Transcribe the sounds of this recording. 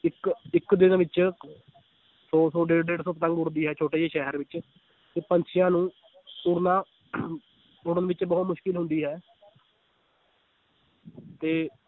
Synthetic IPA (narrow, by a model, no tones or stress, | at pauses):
ɪkɪkd̪ɪnʋɪt͡ʃ | sɔːsoːɖeːɽɖeːɖsoːpət̪ə̃ŋɡʊɾd̪iːɦɛːt͡ʃʰoːʈeːeːʃɛːɦəɾʋɪt͡ʃ | t̪eːpəɲt͡ʃʰɪjãːnũː | ʊɾnaː | ʊɽənʋɪt͡ʃbɔːt̪mʊʃkɪlɦʊ̃nd̪iːɦɛː | t̪eː